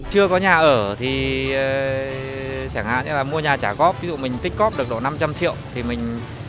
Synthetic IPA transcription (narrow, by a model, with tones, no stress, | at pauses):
t͡ɕɨ˧əkɔ˨˦ɲaː˨˩ʔəː˧˩t̪ʰi˨˩˨ | saː˧˩ŋha̰ː˧˨nʔɛ˨˦laː˨˩mu˧əɲaː˨˩t͡ɕaː˧˩ɣɔ˦˥p̚vi˨˦zṵ˧˨mï˨˩ŋ̟t̪ï˦˥k̟̚kɔ˦˥p̚ɗɨ˨˩ək̚ɗo̰˧˨˩na˧mt͡ɕa˧mt͡ɕḭ˧˨əwt̪ʰi˨˩mï˨˩ŋ̟